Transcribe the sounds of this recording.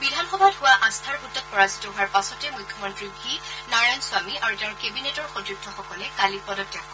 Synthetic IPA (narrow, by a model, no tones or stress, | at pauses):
bidʱanxɔbʱatɦʊwaʔast̪ʰaɹutːɔt̚pɔɹazitɔɦʊaɹpasɔtɛmujkʰːɔmɔntɹibʱinaɹansʊamiʔaɹutɛʊ̃ɹkebinetɔɹxodɹuk̚tʰɔxɔkɔlɛkalipɔdɔta